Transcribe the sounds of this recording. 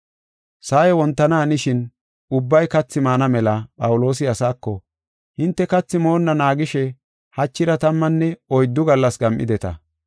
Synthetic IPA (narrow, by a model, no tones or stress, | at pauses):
saːjɛwɔnt̪ːɐnaːnɪʃɪn | ʊbːɐjkɐt͡sːɪmaːnɐmɛlɐpʼɐwʊlo̞ːs̬ɪɐsaːkːɔ | hɪnt̪ːɛkɐt͡sːɪmo̞ːnːɐnaːɡɪʃɛ | hɐt͡ʃːɪɾɐt̪ɐmːɐnːɛɔjd̪ːʊɡɐlːɐsɡɐmʔɪ̰d̪ɛt̪ɐ̰